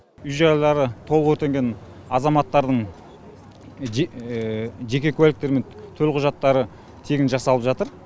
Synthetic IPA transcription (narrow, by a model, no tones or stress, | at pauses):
ʏjʒɑɾɑlˠɑɾət̪ʰo̞lˠəqwɵɾt̪e̞ŋɡʲe̞n | ɑzɑmɑt̪ːɑɾd̪əɴ | ʒe̞kʲe̞kʲʰɵælɪk̚t̪e̞ɾme̞nt̪ʰɵlqʰʊʒɑt̪ːɑɾə | t̪ʰe̞ɡʲɪnʒɑsɑlˠəpʒɑt̪əɾ